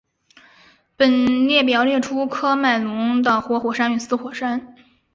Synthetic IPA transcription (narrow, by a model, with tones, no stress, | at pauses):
pə˨˩nljɛ˥˩p̬jɑ˨˩ʊljɛ˥˩ʈ͡ʂʰu˥kʰɤ˥ma˥˩ɪlʊ˧˥ŋd̪ə˩xwɔ˧˥xwɔ˨˩ʂa˥ny˨˩sɹ̩˥xwɔ˨˩ʂa˥n